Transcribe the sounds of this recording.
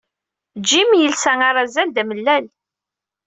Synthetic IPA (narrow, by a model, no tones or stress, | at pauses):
d͡ʒːimjəlsæŋaɾˤazænd̪æməlːæl